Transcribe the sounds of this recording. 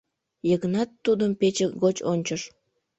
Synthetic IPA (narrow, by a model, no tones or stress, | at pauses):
jəɣənɑt̪ːud̪əmpet͡ɕeɣot͡ɕonʲt͡ɕəʃ